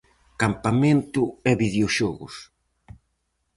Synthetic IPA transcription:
kampamẽnt̪ʊɛβiðeoʃɔɣʊ̰s

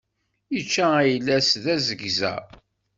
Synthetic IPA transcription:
jət͡ʃːææjlːæsðæzəɡzæ̰

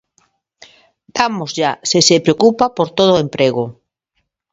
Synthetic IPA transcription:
d̪amozʝasesepɾeokupapoɾt̪oð̞oempɾeɣo

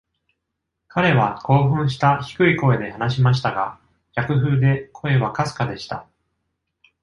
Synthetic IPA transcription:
kʰaɾe̞βako̞ːɸɯ̟̃ɰ̃ɕi̥t̪açi̥kɯ̟iko̞e̞d̪e̞hanaɕimaɕ̬i̥t̪aɡa̰ | j̥ʲakɯ̟ɦɯ̟ːd̪e̞kʰo̞e̞β̞akasɨ̥kad̪e̞ɕi̥t̪a

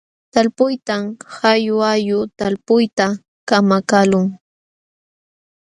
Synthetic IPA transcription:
t̪alpʊjt̪amhajʊajʊt̪alpʊjt̪a | kamakalʊŋ

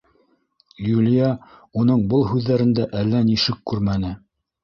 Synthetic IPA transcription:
julʲɪjɑunɤɴbɤlˠɦʉðːæɾɘ̆nd̪æʔælːæniʃɘkːʉɾmænɘ

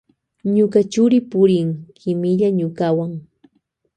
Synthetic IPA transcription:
ɲʊkat͡ʃʊɾɪpʊɾɪŋkʰɪmɪʎaɲʊkawaŋ

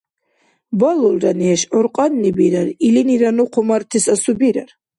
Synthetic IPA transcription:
balɔlɾaniɛʃʕɔɾqʼanːibiɾaɾiliniɾanuqʰɔmaɾt̪ʰisasubiɾaɾ

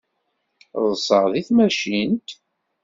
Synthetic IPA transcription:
ðˤsˤəʁðiθmæʃint̪

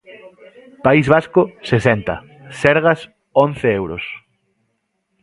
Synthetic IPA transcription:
paizβaskosesent̪ɐ̰ | sɛɾɣɐs | õn̟θeewɾo̰s

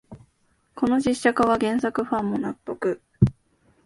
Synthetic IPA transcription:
ko̞no̞ʑiɕːakaβaɡẽ̞ɰ̃sakɯ̟ɸãmːo̞napːo̞kɯ̟

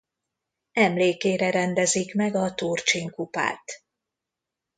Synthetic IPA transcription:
ɛmleːkeːɾɛɾɛnd̪ɛzikmɛɡɒt̪uːrt͡ʃiːŋkupa̰ːt̪

